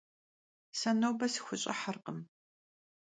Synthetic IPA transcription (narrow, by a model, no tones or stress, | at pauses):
sɐnowbɐsi̥xʷʊɕʼɐ̰ħɐrqəm